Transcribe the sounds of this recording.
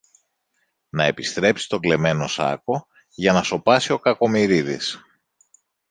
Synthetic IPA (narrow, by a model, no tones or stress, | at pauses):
nɐe̞pist̪ɾe̞psi̥t̪o̞ɡle̞me̞no̞sɐ̰ko̞ | ʝɐnɐso̞pɐsio̞kɐko̞miɾiðis